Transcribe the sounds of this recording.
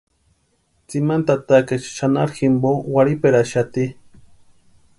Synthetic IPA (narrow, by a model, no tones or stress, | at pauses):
t͡simant̪at̪aket͡ʃʃanaɾximbowaɾipeɾaʃat̪i